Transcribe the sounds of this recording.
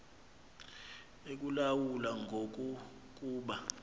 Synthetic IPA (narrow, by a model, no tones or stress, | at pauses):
ek̬ulawulaŋʱok̬ʼu | k̬ʼuːɓa